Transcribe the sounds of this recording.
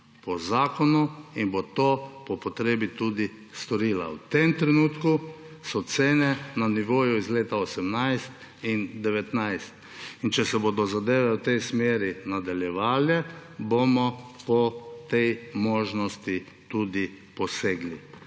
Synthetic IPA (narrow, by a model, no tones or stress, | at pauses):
pɔzaːkɔnuinbot̪opɔpɔt̪ɾeːbit̪ud̪i | st̪ɔɾiːla̰wt̪emt̪ɾɛnuːt̪kusɔt̪seːnɛnaniʋoːjuizleːt̪aɔsɛmnajst̪ | ind̪ɛʋɛt̪najst̪ | int͡ʃɛsɛboːd̪ɔzad̪eːʋɛwt̪ɛjsmeːɾinad̪aljɛʋaːljɛbomɔpɔt̪ɛjmoːʒnɔst̪i | t̪uːd̪ipɔseːɡli